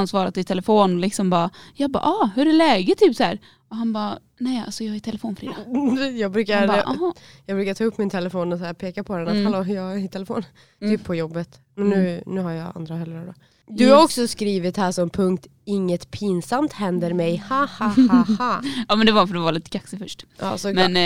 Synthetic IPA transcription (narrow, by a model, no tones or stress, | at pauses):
ansvɑːɾat̪ɪt̪ʰɛlɛfoːnɔlɪksɔmbɑːjɑːbɑ̰ːʔɑhɵɾɛlɛːɡət̪ʰːyːpsæ̰ːɾ | ɔɦanbɑː | nɛja̰lsɔjɑːhæɾt̪ʰɛlɛfoːnfœɾeːd̪jɑːɡbɾʉ̟ːkabaʔhɑjɑːɡbɾʉ̟ːkat̪ʰːɵpːmɪnt̪ʰɛlɛfoːnɔsæːɾpʰeːkapʰɔd̪ɛnat̪haloːjɑːt̪ʰɛlɛfo̰ːn | t̪ʰyːppʰɔjɔbːət̪mɛnːʉ̟ːnʉ̟ːɦaɾjɑ̰a̰nd̪ɾahɛlːɾad̪ɔ | d̪ɵhaɾɔksɔskɾiːvɪt̪hæːʂɔmpʰɵŋk̚t̪ | ɪŋːət̪pʰiːnsamt̪hɛnd̪əɾmɛjhahaahaɑːmɛnd̪ɛvaanfœɾɔvɑːlɪt̪kʰaksəfœʂʈʔɑ̰ːsɔmɛn